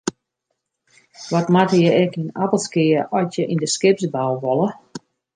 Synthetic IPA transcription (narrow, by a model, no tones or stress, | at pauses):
ʋɔtmatəjəɛkinapəlˠskɪəɔtjəʔindəskɪpsbalˠʋɔlˠə